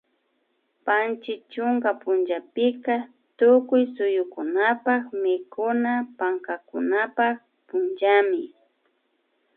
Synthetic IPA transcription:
pant͡ʃɪt͡ʃʊŋkapʊnd͡ʒapɪka | t̪ʊkʊjsʊjʊkʊnapakmɪkʊnapaŋkakʊnapak | pʊnd͡ʒamɪ

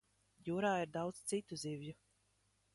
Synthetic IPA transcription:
juːɾaːiɾd̪ɑwd̪z̥t̪sit̪uzivju

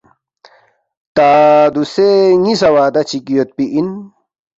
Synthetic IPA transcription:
t̪aːd̪useŋisɐwaːd̪ɐt͡ɕʰikijot̪̚piʔin

